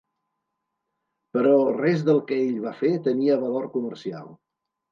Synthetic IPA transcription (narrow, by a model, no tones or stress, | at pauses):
pəɾɔrɛzðəlˠkəeʎβafet̪əniəβəloɾkumərsia̰lˠ